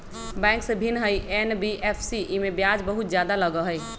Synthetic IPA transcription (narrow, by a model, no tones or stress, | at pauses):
bɛ̃ŋksə̃bʱinɦəjʔenbiʔepʰsiʔimebjad͡ʒbəɦut̪d͡ʒjad̪aləɡəɦəj